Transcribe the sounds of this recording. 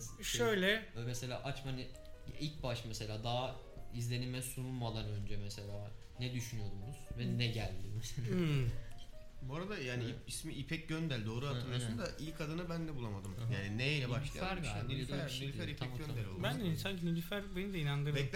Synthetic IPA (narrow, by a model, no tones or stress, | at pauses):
ʃø̞jlʲɛømese̞lʲa̰ːʔat͡ʃmani | ilʲc̚baʃmese̞lʲaːd̪aː | izlʲe̞nimɛsunulˠmalˠanø̞nd͡ʒɛmese̞lʲaː | nɛd̪yʃynyjo̞d̪umuz̥vɛnɛɟælʲd̪imɛ | boɾad̪ajaːniiismiʔipʰɛc̚ɟønd̪ælʲd̪o̞ːɾuat̪ɯɾasund̪aʔilʲkʰad̪ɯnɯbænd̪ɛbulˠamad̪ɯmjaːnineelʲɛbaʃlˠa̰æɾanelefnulʲifæɾip̪tʰaɛmɟønɛlʲobænninsaɲcinulʲifæɾbenid̪ɛinand̪ɯɾɛm